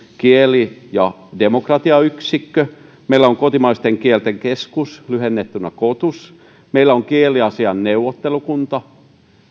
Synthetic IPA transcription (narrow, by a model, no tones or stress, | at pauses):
kielijɑ | demokrɑt̪iɑyksikːø | meilːæoŋkot̪imɑist̪eŋkielt̪eŋkeskuslyhenːet̪ːynːˑækot̪us | meilːæoŋkieliɑsiɑnneuwːot̪ːelukunt̪ɑ